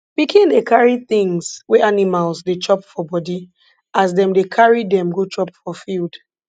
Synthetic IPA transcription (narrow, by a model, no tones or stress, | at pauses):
b̥ikʰĩndekʰaɹiθĩŋzwɛanimalsdet͡ʃʰɔpfɔbɔdi | azdɛ̃mdekʰaɹidɛ̃mɡot͡ʃɔpfɔfild